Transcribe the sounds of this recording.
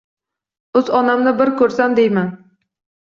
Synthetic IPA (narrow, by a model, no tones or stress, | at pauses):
ɵzɒnamnɪbɪɾkʰɵɾsamd̪ejman